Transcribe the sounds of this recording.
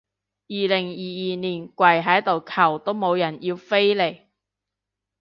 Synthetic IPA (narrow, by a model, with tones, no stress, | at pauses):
jiː˨lɪ˨˩ŋjiː˨jiː˨niː˨˩nkʷɐ˨˩jɦɐ˨˥jt̪o˨wkʰɐ˨˩wt̪o˥wmo˨˧wjɐ˨˩njiː˧wfe˥jle˨˩j